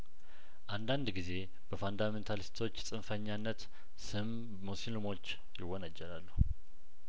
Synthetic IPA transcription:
ʔand̪and̪ɡize̞ | b̥əfand̪ament̪ʰalist̪ʰo̞t͡ʃːsʼɨnfəɲːanːət̪ | sɨmː | osilmo̞t͡ʃː | jɪwːɔnəd͡ʒɛlalːuh

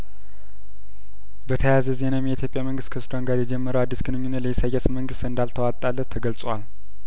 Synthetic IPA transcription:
bət̪ʰəjazəze̞namejɛit̪ʰjo̞pʼjaməŋɡɨst̪kʰəsd̪aŋɡad̪jɛd͡ʒɛmːəɾəwad̪ːisɡɨnɨɲːunːət̪ləjɛsajːasməŋɡɨst̪ɨnd̪alt̪ʰəwatt̪ʼalːət̪ʰːəɡəlt͡sʼwal

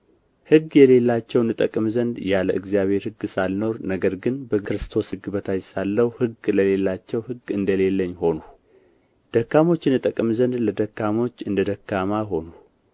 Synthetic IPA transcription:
hɨɡːjɛle̞lːat͡ʃːɛwɨnːɨt̪ʼəkʼmzənd̪jaləʔɨɡzijaβhe̞ɾhɨɡːɨsalno̞ɾnəɡəɾɡɨnbəkkɾɨst̪ʰo̞sɨɡbət̪ʰajsalːəwhɨɡləle̞lːat͡ʃːɛwhɨɡɨnd̪əle̞lːəɲːho̞nu | d̪̥əkːamo̞t͡ʃːɨnːɨt̪ʼəkʼmzənd̪ləd̪əkːamo̞t͡ʃːɨnd̪əd̪əkːamaɦo̞nu

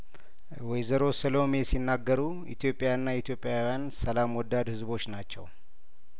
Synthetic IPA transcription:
wɔjzəɾo̞səlo̞me̞sinːaɡːəɾu | ḭt̪ʰjo̞pʼːejanːait̪ʰjo̞pʼːjawijansəlamwɔd̪ːad̪hɨzbo̞t͡ʃːnat͡ʃːɛ̰w

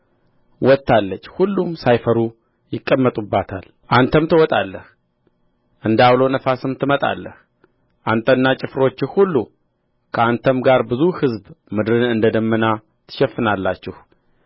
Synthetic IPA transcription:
wɔt̪ːalːət͡ʃːhulːumsajfəɾu | jɪkʼːəmːət̪ʼubːat̪ʰal | ʔant̪ʰəmt̪ʰɨwɔt̪ʼalːəh | ʔɨnd̪awlo̞nəfasɨmt̪ʰɨmət̪ʼa̰lːə̰h | ʔant̪ʰʼənːat͡ʃʼɪfɾo̞t͡ʃːɪhulːu | kʰəant̪ʰəmɡaɾbɨzuhɨzbmɨd̪ɾɨnɨnd̪əd̪əmːəna | t̪ʰɨ̥ʃɛfːɨnalːat͡ʃːɪh

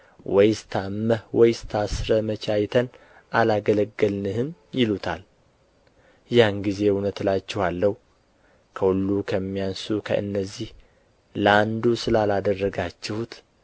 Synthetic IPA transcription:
wɔjst̪ʰamːəhwɔjst̪ʰasɾəmət͡ʃʰajt̪ʰən | ʔalaɡələɡːəlnɨhɨmjɪlut̪ʰal | janɡize̞hunət̪lat͡ʃːɛhalːəhu | kʰəhulːukʰəmːijansukʰə̰ʔɨ̰nːəzːih | ləand̪usɨlalad̪ərːəɡat͡ʃːɛhut̪

